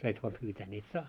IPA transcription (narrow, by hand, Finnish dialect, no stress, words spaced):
sɑis ʋɑː pyːtæː ni et sɑː